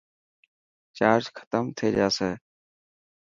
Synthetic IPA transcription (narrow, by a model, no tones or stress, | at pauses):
t͡ʃaːɾd͡ʒkʰə̥t̪əmt̪ʰeːd͡ʒaːseː